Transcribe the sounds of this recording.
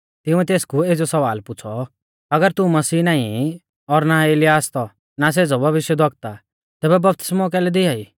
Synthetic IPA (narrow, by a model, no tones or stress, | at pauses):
t̪ɪʊ̃ɛt̪eːskueːd͡zɔsɐʋaːlpʊt͡sʰɔ | ɐɡəɾt̪umɐsiːnaːĩ | ɔɾnaeːlɪjaːst̪ɔ | nas̬eːd͡zɔbʱɐʋɪʃjəd̪ʱɐkt̪a | t̪ɛːbɛbɐp̚t̪ɪ̥smɔk̬ɛːlɛd̪ɪaːiː